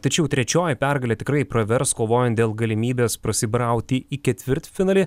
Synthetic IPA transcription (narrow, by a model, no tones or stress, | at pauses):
t̪ɐt͡ʃʲɛʊt̪ʲɾʲɛt͡ʃʲoːjɪpʲæɾɡɐlʲɛːt̪ʲɪkɾɐɪpɾoʋʲɛɾskoːʋoːjɛnt̪d̪ʲeːlˠɡɐlʲɪmʲiːbʲeːspɾɐsʲɪbɾɐˑʊt̪ʲɪikʲɛt̪ʲʋʲɪɾt̪fʲɪnɐlʲɪ